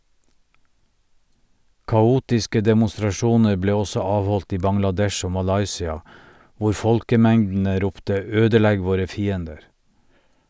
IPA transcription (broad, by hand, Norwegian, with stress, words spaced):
kɑˈuːtɪskə dɛmʊstɾɑˈʃuːnəɾ ˈbleː ˈɔsɔ ˈɑːʋˌhɔlt ˈiː bɑŋlɑˈdɛʃ ˈoː mɑˈlɑɪsɪɑ ˈʋʊɾ ˈfɔlkəˌmɛŋdn̩ə ˈɾʊptə ˈøːdəˌlɛɡ ˈʋoːɾə ˈfiːəndəɾ